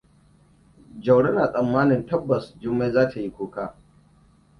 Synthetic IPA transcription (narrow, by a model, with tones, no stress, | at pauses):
d͡ʒɐ˨wɽɐ˦naː˨sʼɐ˨mːaː˦nɪ˨ntɐ˦bːɐ˨sd͡ʒʊ˦mːeː˦zaː˦tʰa˨ji˦kʷoː˦kaː˦˨